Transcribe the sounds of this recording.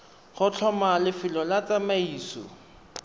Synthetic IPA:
χʊt͡ɬʰɔmalɪfɪlɔlat͡samaiːsɔ̰

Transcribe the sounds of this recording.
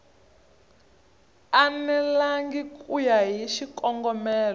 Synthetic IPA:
anɛlaŋɡikʼujaɦiʃikʼɔŋɡɔmɛːlɔ

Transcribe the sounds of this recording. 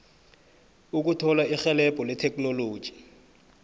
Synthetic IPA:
uk̬utʰɔlaixɛlɛpʼɔlɪtʰɛkʼnolo̥ːʒ̥ʱʼi̥

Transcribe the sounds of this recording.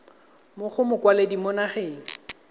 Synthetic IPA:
mʊχʰʊmʊkwaledimɔnaχeːŋ̩

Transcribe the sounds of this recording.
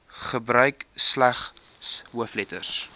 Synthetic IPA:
χəbɾœɥkslæχ | sɦuəflɛtə̰s

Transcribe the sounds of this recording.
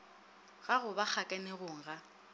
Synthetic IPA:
ɣaɣʊbak͡xʰakʼɛnɪɣʊŋ̩ɣa

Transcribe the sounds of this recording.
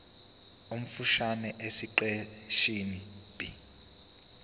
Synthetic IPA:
um̩fuʃanɛʔesiǃɛʃini | b̥i

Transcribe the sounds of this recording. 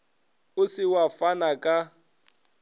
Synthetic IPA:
ʊsɪwafanakʼa

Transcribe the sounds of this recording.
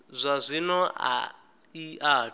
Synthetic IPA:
zʷazʷinɔa̰ | ia

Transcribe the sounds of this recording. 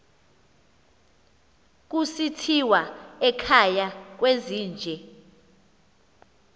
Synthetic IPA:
k̬ʼusitʰiwaɛkʰajak̬weziːnd͡ʒʱɛ

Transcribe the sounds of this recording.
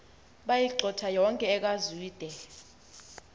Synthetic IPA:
ɓajiǃʱɔtʰajɔŋkʼɛːk̬ʼazwiːd̥ʱɛ

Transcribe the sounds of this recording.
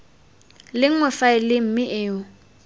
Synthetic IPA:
lɪŋ̩ŋwɛfaɪlɪm̩mɪʔɪːʊ

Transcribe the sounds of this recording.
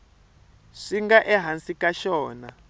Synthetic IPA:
ʂiŋɡaʔɛɦansikaʃɔːna̰

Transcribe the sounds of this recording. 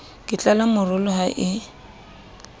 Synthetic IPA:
kʼɪt͡ɬʼalamʊrʊlʊhaʔɪ

